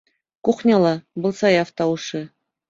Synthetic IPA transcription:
kuχnʲɑlˠɑbɤ̆lˠsɑjɑft̪ɑwuʂɘ

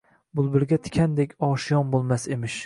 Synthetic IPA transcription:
bʊlˠbɪɾɡʲat̪ʰɪ̥kʲʰand̪ekʲʰɒːʃɪjɒnbolˠmasemɪʃ

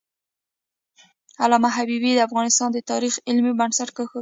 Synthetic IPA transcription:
alɑmaɦabibid̪əafɣɑnɪst̪ɑnd̪ət̪ɑɾixɪlmibansaʈ̚kəxə

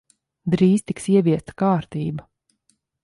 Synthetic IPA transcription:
d̪ɾiːz̥t̪iksiɛviɛst̪ḁkaːɾt̪iːba

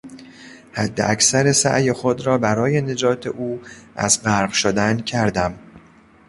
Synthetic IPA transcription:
hæd̪ːḛʔæksæɾesæ̰ʔjexod̪ɾɒːbæɾɒːje̞ne̞d͡ʒɒːt̪ʰe̞ʔuːʔæ̰zbæɾɢʃod̪æncʰæɾd̪æm

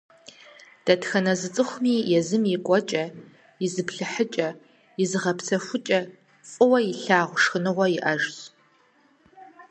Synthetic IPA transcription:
d̥ɐtxɐnɐzɨt͡sʼɨχʷʊmiːjɛzɨmjikʷʼɔt͡ʃʼɐ | jɪzɨpɬɨħət͡ʃʼɐ | jɪzɨʁɐpt͡sʰɐxʷʊt͡ʃʼɐ | fʼɨwɐjɪɬaːʁʷʂxɨnɨʁʷɔjɪʔɐʒs

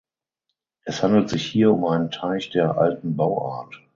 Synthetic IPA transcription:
ʔɛshandl̩tz̥ɪçhiːɐʊmʔaɪnəntʰaɪçd̥eːɐʔa̰ltn̩baʊʔaːɐt

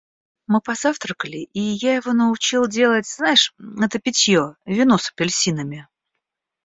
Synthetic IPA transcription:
mɨpɐzaft̪ɾəkəlʲɪʔijajɪvo̞nəʊt͡ɕilˠdʲe̞lˠətʲz̥najɪʂɛt̪əpʲɪtʲjovʲɪnusə̥pʲɪlʲsʲinɨmʲɪ

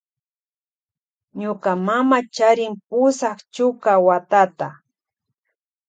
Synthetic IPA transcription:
ɲʊkamamat͡ʃaɾɪŋpʊsaχt͡ʃʊkawat̪at̪a

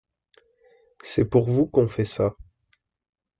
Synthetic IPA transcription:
sɛpuʁvukɔ̃fɛsa

